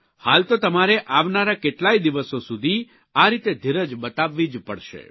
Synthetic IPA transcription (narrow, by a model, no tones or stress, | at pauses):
halt̪ot̪əmaɾeʔaʋnaɾakeʈlaid̪iʋəsosud̪ʱi | aɾit̪ed̪ʱiɾəd͡ʒbət̪aʋːid͡ʒpə̰ɽʃḛ